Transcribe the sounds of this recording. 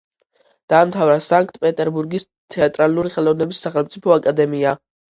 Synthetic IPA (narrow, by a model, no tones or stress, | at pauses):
d̪̥aːmt̪ʰavɾasaŋk̚ʰʼt̪ʰpʼɛt̪ʼɛɾbuɾɡis | t̪ʰɛat̪ʼɾaluɾiχɛlɔvnɛbisːaχɛlmt̪sʼipʰɔakʼad̪ɛmia